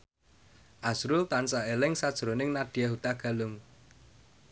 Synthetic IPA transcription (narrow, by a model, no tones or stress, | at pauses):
ʔasɾʊlt̪ansaelɪŋsad̥ʒ̥ɾonɪŋnaɖ̥i̤jaɦut̪aɡ̥a̤lʊŋ